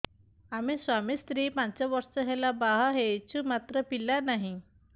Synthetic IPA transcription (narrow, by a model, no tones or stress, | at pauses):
amisʋamiːst̪ɾiːpaɲt͡ɕjaʋəɾsəɦɛlabaɦɦet͡ɕumat̪ɾəpilanaɦi